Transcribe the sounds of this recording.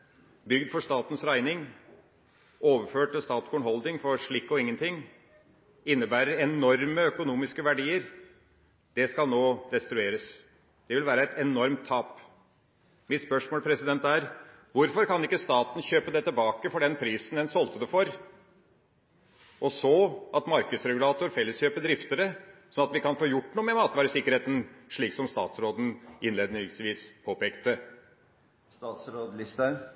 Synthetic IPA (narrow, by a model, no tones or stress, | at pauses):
bʏɡ̚d̪fɔʂt̪ɑːt̪nsɾæɪnɪŋ | oːʋəɾføːʈ̪st̪ɑːt̪sɡʊːɳhɔld̪ɪŋfɔɾʂɭɪkːɔɪŋːənt̪ʰɪŋː | ɪnːəbæːɾəɾɛnɔɾməœkʊnuːmɪskəʋæɖiːəɾ | d̪̥ɛskɑlnoːd̪ɛst̪ɾʉeːɾəs | d̪̥ɛʋɪlʋæːɾəɛt̪ɛnɔɾmt̪ʰːɑːp | mɪt̪spœʂmoːlpʰɾɛsɪd̪ɛnt̪æɾ | ʋʊɾfɔɾkɑnɪkːəst̪ɑːt̪nçøːpəd̪ɛt̪ːɪlbɑːkəfɔɖɛnpʰɾiːsnɛnsɔlt̪əd̪əfɔɾ | ʔɔsɔʔɑt̪mɑɾkəd̪sɾɛɡʉlɑːt̪ʊɾfɛlːəsçøːpəd̪ɾɪft̪əɾəsɔnɑt̪ʋɪkɑnfoːjʊʈːnuːəmɛmɑːt̪ʋɑːɾəsɪkːəɾheːt̪n̩ʂɭiːksɔmst̪ɑ̰ːt̪sɾoːd̪n̩ɪnleːd̪nʏsʋiːspʰoːpeːkt̪ə | st̪ɑːt̪sɾoːd̪lɪst̪ə